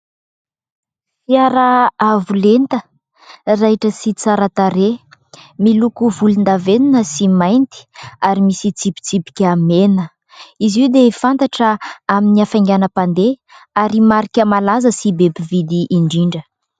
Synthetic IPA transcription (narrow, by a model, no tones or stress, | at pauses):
fiaɾaavulent̪ə | raɦʈ͡ʂəsit͡saɾat̪aɾe | milukuvulund̪aveninəsimajnt̪i̥aɾimisit͡sipi̥t͡sipi̥kʲamenə | iziwd̪efant̪aʈ͡ʂəaminiafajŋɡʲanəpand̪eaɾimaɾikʲəmalazəsibebivid̪iʔːɳɖ͡ʐiɳɖ͡ʐə